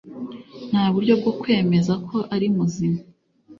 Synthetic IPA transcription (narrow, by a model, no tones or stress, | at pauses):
n̥haːβuɾɟo̞b̚ɡo̞kwe̞ːme̞zakʰo̞ʔaɾimuzima